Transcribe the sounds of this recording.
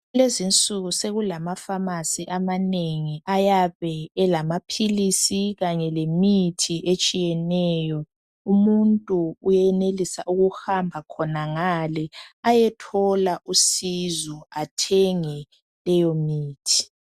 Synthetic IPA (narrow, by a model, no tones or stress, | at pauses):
lezint͡sʼuɣuseɣulamafamasiʔamaneŋiajaβɛːlamapʰilisiɣaɲɛlemitʰiʔet͡ʃʼijɛnɛjɔ | umuntʼuːjɛnelisaʔuɣuhambʱakʰɔnaŋalɛajɛtʰɔlaʔusizɔatʰɛŋɛ | lɛjomiːtʰi̥